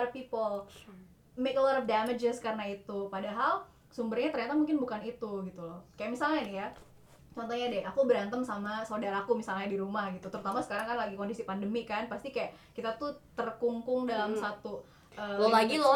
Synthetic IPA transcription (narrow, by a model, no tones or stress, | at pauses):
ɾfpipəl | mekəlɔɾəfdaməd͡ʒəskarnait̪upadaɦal | sumbərɲat̪ərɲat̪amuŋkɪnbukanit̪uɡit̪ulɔhkajaʔmisalɲanija | t͡ʃɔnt̪oɲadɛʔakubəɾant̪əmsamasaodaɾaːkumisalɲaadiɾumahɡit̪ut̪əɾut̪amasə̥kaɾaŋkanlaɡikondisipandəmikanpast̪ikajaʔ | kit̪at̪ut̪ərkuŋkʊŋdalamsat̪u | ʔəlolaɡilɔ